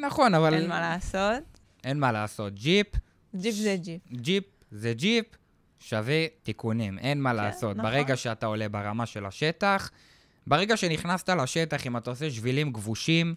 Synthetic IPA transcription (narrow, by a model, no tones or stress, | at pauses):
naχo̞navalalasot̪ | ʔenmalaːso̞t̪̚d͡ʒip | d͡ʒd͡ʒd͡ʒip̚zed͡ʒip | ʃavet̪ikunimʔe̞nmalaːso̞t̪̚beʁeɡaʃeat̪ao̞le̞baʁamaʃe̞la̰ʃe̞t̪aχ | beʁe̞ɡaʃe̞niχnast̪alaʃe̞taχimat̪aoseʃvilimɡvuʃim